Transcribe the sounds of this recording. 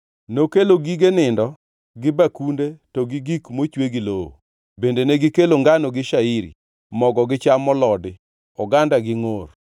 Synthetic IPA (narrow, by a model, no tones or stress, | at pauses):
nokeloɡiɡenɪndɔ | ɡɪbakundetɔɡiɡikmot͡ʃweɡiloo̰ | bendeneɡɪkeloŋɡanoɡɪʃaiɾḭ | mɔɡɔɡɪt͡ʃamːɔlɔdɪ | ɔɡandaɡɪŋor